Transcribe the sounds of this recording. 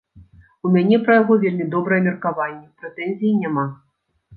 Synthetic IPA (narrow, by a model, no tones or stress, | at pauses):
umʲanʲɛpɾɐjaɣɔvʲelʲmʲid̪ɔbɾɐjɛmʲɛrkavanʲːɛpɾɛt̪ɛnʲzʲijinʲama